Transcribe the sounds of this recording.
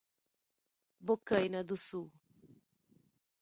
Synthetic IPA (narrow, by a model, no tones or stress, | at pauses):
bokajnad̪usu